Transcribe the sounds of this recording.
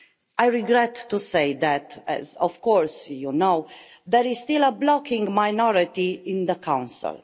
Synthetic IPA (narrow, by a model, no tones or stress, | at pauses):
ʔajɹiɡɾɛt̪ːusejd̪æt̪ɛ̰zɔfkɔɾsjunow | d̪ɛɾizst̪iləblɔkɪ̃ŋɡmajnɔɾit̪iɪ̃nd̪əkãw̃nsɪ̰l